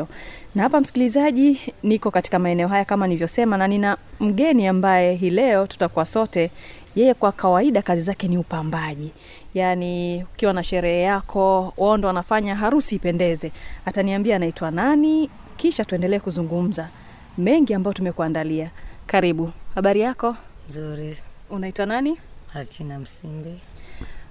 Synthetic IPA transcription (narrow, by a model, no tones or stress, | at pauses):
nahapam̩si̥kilizaʄinikɔkati̥kamaɛnɛɔɦajakamanlivjɔsɛmananinam̩ɠɛniambajɛɦiːlɛɔtu̥takuwasɔtɛ | jɛjɛkwakawaiɗakazizakɛniupambaʄi | janiukiwanaʃɛɾɛhɛjakʰɔwɔndɔwanafaɲaɦaɾusiːpɛndɛzɛataniambiaːnaitwanani | kiʃatuɛndɛlɛːkuzuŋɡum̩za | mɛŋɡiambajɔtumɛkuandaliakaɾiɓuhaɓaɾijakɔzuɾiunaitwananiatʰinam̩simbi